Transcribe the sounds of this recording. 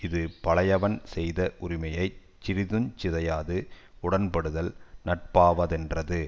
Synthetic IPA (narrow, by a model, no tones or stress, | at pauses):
ɪðɯpɐɭɐjɐʋɐnsɛjðɐʔʊɾɪmɐjɐɪ | t͡ʃːɪɾɪðɯnt͡ʃɪðɐjaːðɯ | ʊɽɐnpɐɽɯðɐlnɐʈ̚paːʋɐðɛndrɐðɯ